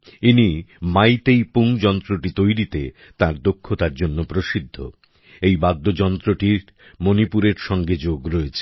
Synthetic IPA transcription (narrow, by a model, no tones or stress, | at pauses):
inimajt̪ejpuŋd͡ʑɔnt̪ɾoʈit̪ojɾit̪e | t̪ãɾd̪okʰːot̪aɾd͡ʑonːopɾoʃid̪ʱːo̰ | ejbad̪ʱːod͡ʑɔnt̪ɾoʈiɾ | monipuɾeɾʃɔŋɡed͡ʑoɡɾoet͡ɕʰe̥